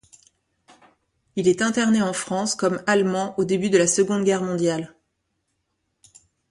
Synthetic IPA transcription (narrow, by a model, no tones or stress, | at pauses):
ilɛt̪ɛ̃t̪ɛʁneɑ̃fχɑ̃skɔmalmɑ̃ʔod̪ebyd̪əlasəɡɔ̃d̪ɡʲɛʁmɔ̃d̪jal